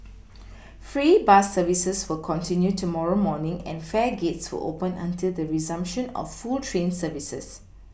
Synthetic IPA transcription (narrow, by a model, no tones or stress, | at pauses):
fɹibasəvisəswəkʰɔ̃ntĩnjutumɔɹomɔnɪ̃ŋɛ̰̃nfɛɡetswə̰ʔo̰pə̃nã̰ntildəɹizãmpʃə̃nɔ̰fːultʰɹẽnsəvisə̰s